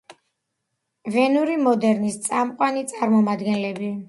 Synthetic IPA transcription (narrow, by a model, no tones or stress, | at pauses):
vɛnuɾimɔd̪ɛɾnist̪sʼamqʼwanit̪sʼaɾmɔmad̪ɡɛnlɛbi